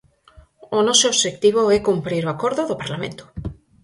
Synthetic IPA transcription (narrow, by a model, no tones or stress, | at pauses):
ʊnɔsooβʃekt̪iβ̞oɛkumpɾiɾoakoɾðʊðopaɾlamḛ̃nt̪ʊ̥